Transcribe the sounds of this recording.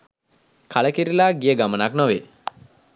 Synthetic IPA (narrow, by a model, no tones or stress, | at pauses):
kʰaləkiɾilaɡijəɡamənaknoʋe